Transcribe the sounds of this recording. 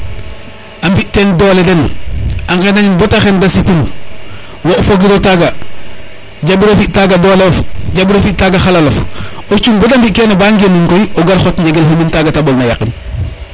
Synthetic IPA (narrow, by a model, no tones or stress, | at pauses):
ambiʔtendoːledenaŋkenaɲinbotaxendasipin | woʔofoɡiɾotaɡa | ɟabiɾofiʔtaɡadolfɟabiɾofitaɡaxalalof | ot͡ʃumbotambiʔkenabaŋɡeniŋkojoɡaɾxotɲɟeɡelɦomintaɡatabolnajakin